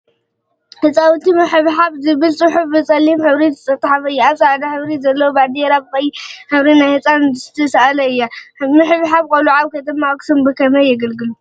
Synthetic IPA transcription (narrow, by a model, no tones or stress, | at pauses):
hɨt͡sʼawt̪ʰimɨħɨβħaβzɨβɨlt͡sʼɨħufbɨt͡sʼɐlːimħɨβɾizɨt͡sʼɐt̪ʼːħafɨjːaat͡sʼaad̪ɐħɨβɾizɐlːɐwobad̪eɾabɨkʼɐjiħɨβɾinajhɨt͡sʼanzɨst̪ʰɐsaalɐɨjːamɨħɨβħaβkʼɐluʕaβkɐt̪ɨmːaksɨmbɨkʰɐmɐjɪɡɐlɡɨlu